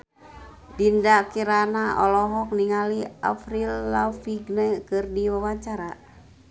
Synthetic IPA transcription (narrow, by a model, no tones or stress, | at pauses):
bindakiɾanaɔ̰lɔɦɔk̚niŋalia̰fɾilːafiɡnɛkɨrdiwawaɲt͡ʃaɾa